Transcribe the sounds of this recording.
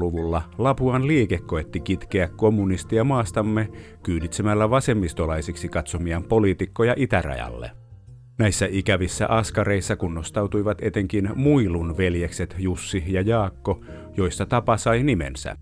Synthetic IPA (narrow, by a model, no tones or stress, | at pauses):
luʋulːɑlɑpuɑnliːkekːo̞et̪ːikit̪keækko̞mːunist̪iɑmɑːst̪ɑmːe | kyːnit̪semælːæʋɑse̞mːist̪olɑjsiksikɑt̪somiɑmpo̞lit̪ikːojɑʔit̪ærɑ̰jɑ̰lːḛ | næjsːæʔikæʋisːæ̰ʔɑskɑɾe̞isːɑkunːost̪ɑwt̪ujʋɑt̪et̪eŋkinmuilunʋe̞ljekset̪jusːihjɑjɑːkːo | jo̞isːɑt̪ɑpɑsɑjnimḛnsæ̰